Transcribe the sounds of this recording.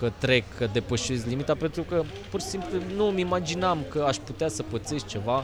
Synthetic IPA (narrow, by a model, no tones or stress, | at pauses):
kət̪ɾe̞kːəd̪e̞pəʃe̞zlimit̪ape̞nt̪ɾukə | purʃi̥simplunumimad͡ʒinamkəaʃput̪easəpət̪se̞st͡ʃe̞va